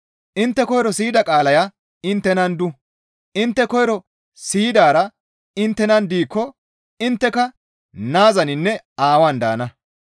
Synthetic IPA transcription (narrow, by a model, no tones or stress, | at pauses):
ʔɪnt̪ːɛkɔjɾɔsiːd̪ɐkʼaːlɐjɐ | ɪnt̪ːɛnɐnd̪ʊ | ʔɪnt̪ːɛkɔjɾɔ | siːd̪aːɾɐ | ɪnt̪ːɛnɐnd̪iːkːɔ | ɪnt̪ːɛkɐ | naːzɐnɪnːɛ | aːwand̪a̰ːnɐ